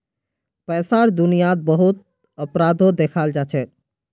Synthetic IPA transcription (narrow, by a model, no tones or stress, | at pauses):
pɛsaɾd̪unijat̪̚bəɦut̪̚ | əpɾad̪ʱod̪ekʰald͡ʒat͡ʃʰɛ